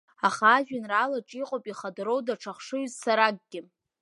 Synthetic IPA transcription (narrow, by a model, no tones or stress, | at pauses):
aχaːʒᶣanralaʈ͡ʂʼiqʼopʼiχadɨɾo̞wdaʈ͡ʂʰaχʂɨɥzsaɾaɡ̚ɡʲɪ